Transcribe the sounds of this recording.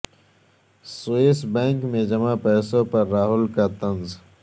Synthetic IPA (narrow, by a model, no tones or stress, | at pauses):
soeːsbɛ̃ːŋkmẽd͡ʒɐmapɛːsõpəɾːaːɦʊlkat̪ənz